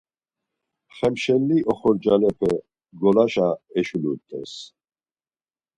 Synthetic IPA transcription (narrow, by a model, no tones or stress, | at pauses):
χɛmʃɛlːiʔɔχɔɾd͡ʒanɛpʰɛ | ɡɔlaʃaɛʃulut̪ʼɛ̰s